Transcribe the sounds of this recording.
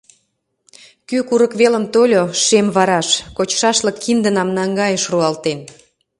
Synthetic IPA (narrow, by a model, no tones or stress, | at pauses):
kykuɾəkβeləmt̪olʲoʃemβɑɾɑʃkot͡ɕʃɑʃləkʰːind̪ə̆nɑmnɑŋɡɑjəʃruɑlt̪en